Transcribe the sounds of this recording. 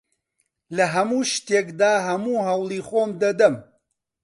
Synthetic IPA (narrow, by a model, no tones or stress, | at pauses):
lɐɦɐmuːʃt̪eːkd̪aːɦɐmuːɦɐwlˠiːxoːmd̪ɐd̪ɐm